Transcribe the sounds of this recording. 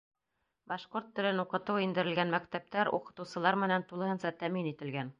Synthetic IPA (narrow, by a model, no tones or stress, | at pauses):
bɑʃqoɾt̪ːɘ̆lɘnuqɤ̆t̪ɤwind̪ɘ̆ɾɘ̆lɡænmækt̪æp̚t̪æɾṵqɤ̆t̪ɤ̆wsɤ̆lˠɑɾmɘ̆nænt̪ulˠɤ̆hɤ̆nsɑt̪æminit̪ɘ̆lɡæn